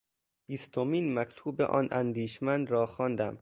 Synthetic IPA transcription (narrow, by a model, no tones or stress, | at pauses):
b̥iːst̪ʰomiːnmækt̪ʰuːbḛʔɒ̰ːnʔænd̪iːʃmænd̪ɾɒːxɒːnd̪æm